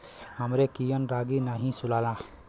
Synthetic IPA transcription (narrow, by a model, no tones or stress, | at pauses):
hamɾekijɔnɾaɡinaɦĩsulalã